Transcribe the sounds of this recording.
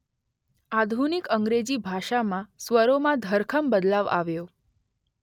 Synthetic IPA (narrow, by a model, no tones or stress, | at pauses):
ad̪ʱunikəŋɡɾed͡ʑibʱaʃamãsʋəɾomãd̪ʱəɾkʰəmbəd̪laʋa̰ʋjo